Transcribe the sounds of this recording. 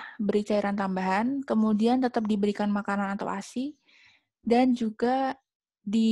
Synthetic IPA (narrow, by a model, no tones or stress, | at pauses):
bəɾit͡ʃaiɾʔant̪ambaɦankəmudiant̪ət̪ap̚dibəɾikanmakananat̪a̰wa̰si | dand͡ʒuɡa | di